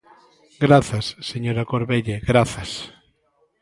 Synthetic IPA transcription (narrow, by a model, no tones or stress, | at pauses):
ɡɾaθasːeɲoɾakoɾβeʎeɣɾaθɐs